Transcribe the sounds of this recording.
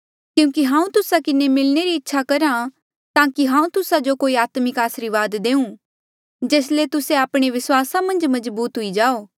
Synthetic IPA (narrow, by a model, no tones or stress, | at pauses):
kjũːkiɦãːũt̪ʊsakɪnemɪlneɾiɪtːʃʰakɐɾã | t̪ãːkiɦãːũt̪ʊsad͡ʒokoːiaːt̪mɪkaːsɾiʋaːd̪d̪ẽːũ | d͡ʒeːslet̪ʊseaːpɽ̃eʋɪswaːsamɐ̃nd͡ʒmɐzbuːt̪ɦʊid͡ʒaːoː